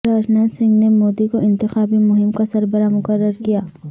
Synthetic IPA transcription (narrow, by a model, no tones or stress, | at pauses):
ɾaːd͡ʒnaːt̪sɪ̃ŋɡnemoːd̪ikoʔɪ̃nt̪ɪxaːbimʊɦɪmkasɐɾbəɾamʊkəɾːəɾkijaː